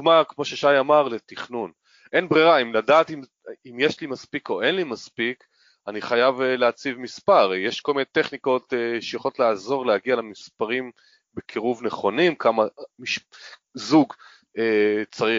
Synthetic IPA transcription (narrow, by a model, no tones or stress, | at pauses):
ɡmakmo̞ʃeʃajamaʁlet̪iχnun | ʔe̞nbʁiʁaimladaːt̪im | imjeʃlimaspiko̞ʔe̞nlimaspik | aniχajavleat͡sivmispaʁjeʃko̞lmineteχniko̞t̪eʃejaχolot̪leazo̞ʁlehaɡialemispaʁim | bekʰiʁuvneχo̞nimkʰamamiʃzuɡ | et͡saʁi